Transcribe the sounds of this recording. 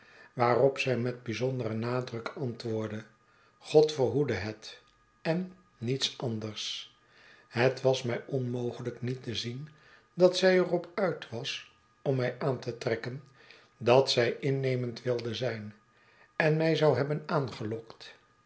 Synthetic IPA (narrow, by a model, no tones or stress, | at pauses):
ʋaːrɔpsɛjmɛd̚bizɔndərənaːdrɵkɑntʋʊːɹdə | χɔtfəɹɦudəɦət | ɛnː | itsʔɑndəɹs | ɦətʋɑsmɛjɔnmowχələknitəzin | dɑtsɛjərɔpœɥtʋɑs | ɔmːɛjʔaːntətrɛkən | dɑtsɛjʔɪnːejməntʋɪlˠdəzɛjn | ɛnmɛjzɑwɦɛbənaːnχəlɔkt